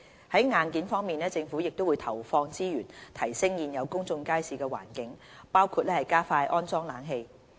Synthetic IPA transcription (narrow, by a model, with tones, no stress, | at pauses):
hɐ˨˥jŋaː˨˧nkiː˨˥nfɔː˥ŋmiː˨˩nɛː˥t͡sɪ˧ŋfu˨˥jɪ˨k̚t̪o˥wuː˨˧jt̪ʰɐ˨˩wfɔː˧ŋt͡siː˥jyː˨˩nt̪ʰɐ˨˩jsɪ˥ŋjiː˨njɐ˨˧wkʊ˥ŋt͡sʊ˧ŋkaː˥jsiː˨˧kɛː˧wa̰ː˨˩nkɪ˨˥ŋpaː˥wkʰuː˧t̚lɛː˥hɐ˨jkaː˥faː˧jʔɔː˥nt͡sɔː˥ŋlaː˨˥nɦe˧j